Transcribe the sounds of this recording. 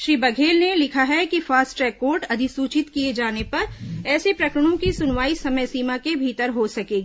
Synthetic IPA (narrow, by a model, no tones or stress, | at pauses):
ʃɾiːbɐɡʱeːlnelɪkʰaɦɛkifaːsʈɾɛːkːoːɾʈɐd̪ʱisuːt͡ʃɪt̪kied͡ʒaːnepɐɾɛːsepɾɐkɾəɽ̃õkisʊnʋaːisɐməjsiːmakebʱiːt̪əɾɦosɐkeːɡiː